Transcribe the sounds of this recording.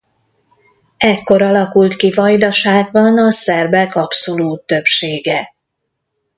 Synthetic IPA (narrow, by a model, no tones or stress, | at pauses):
ɛkːo̞ɾɒlɒkult̪kivɒjd̪ɒʃaːɡ̚bɒnɒsɛrbɛkɒpso̞luːt̪ːø̞pʃeːɡɛ